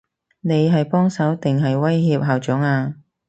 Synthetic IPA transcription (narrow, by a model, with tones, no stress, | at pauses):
ne˨˧jɦɐ˨jpɔː˥ŋsɐ˨˥wt̪ɪ˨ŋɦɐ˨jwɐ˥jɦiː˧p̚ɦaː˨˩wt͡sʊ˨˥ŋaː˧